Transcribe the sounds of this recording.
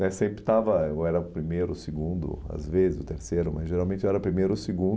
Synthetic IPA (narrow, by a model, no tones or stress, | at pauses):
ɛsẽmpɾɪt̪avɐɛɾɐʊpɾimejɾʊsɪɡũnd̪ʊ̰a̰zvezɪzʊ̰t̪eɾsejɾʊmɐzʒeɾawmẽnt͡ʃɛɾɐpɾimejɾʊsɪɡũ